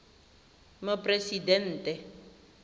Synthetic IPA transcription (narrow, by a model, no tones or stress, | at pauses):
mapresidɛn̩ːtɛ